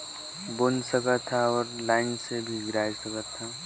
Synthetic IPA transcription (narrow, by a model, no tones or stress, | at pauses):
bonsəkət̪ʰːaɔːɾlaːɪnsebʱiɡɾaːjsəkət̪ʰːa